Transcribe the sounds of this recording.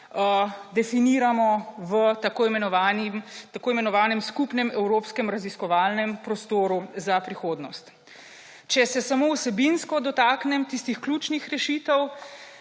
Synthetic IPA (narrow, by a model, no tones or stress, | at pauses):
əd̪ɛfiniːɾamɔʋət̪akoimɛnɔʋanimt̪akoːimɛnɔʋaːnɛmskupnɛmɛwɾoːpskɛmɾaziskɔʋaːlnɛmpɾɔst̪oːɾuzapɾixoːd̪nɔst̪ | t͡ʃɛsɛsamowsɛbinskɔd̪ɔt̪aːknɛmt̪ist̪ixkluːt͡ʃnixɾɛʃiːt̪ɛw